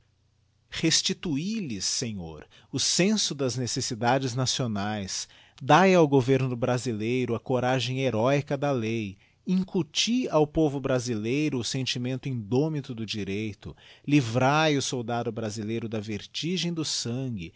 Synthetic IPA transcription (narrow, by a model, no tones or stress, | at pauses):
hest͡ʃit̪uilɪsːẽɲo̰ɾ | ʊsẽsʊd̪ɐznesesid̪ad͡ʒɪznasionajs | d̪ajawɡoveɾnʊʊbɾazilejɾʊɐkoɾaʒẽj̃eɾɔikɐd̪ɐlej | ĩŋkut͡ʃiawpovʊbɾazilejɾʊːsẽnt͡ʃimẽnt̪ʊĩnd̪omit̪ʊd̪ʊd͡ʒiɾejt̪ʊlivɾajʊsowd̪ad̪ʊbɾazilejɾʊd̪ɐveɾt͡ʃiʒẽj̃d̪ʊsɐ̃ɡɪ